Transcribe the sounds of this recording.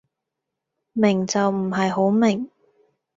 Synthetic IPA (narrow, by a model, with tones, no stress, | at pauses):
mɪ˨˩ŋt͡sɐ˨wm̩˨˩ɦɐ˨jɦo˨˥wmɪ˨˩ŋ